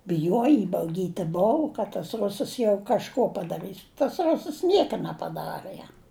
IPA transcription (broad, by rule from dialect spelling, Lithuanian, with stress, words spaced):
bʲɪˈjuɔjɪ ɪbɐʊˈɡʲiːtʲɪ ˈboːʊ kɐt tɐs ˈrʊsɐs jɛʊ kɐʃˈkoː pɐdɐˈrɨs tɐs ˈrʊsəs ˈnʲiɛkɐ nʲɛpɐˈdɑːrɘ ˈjɛm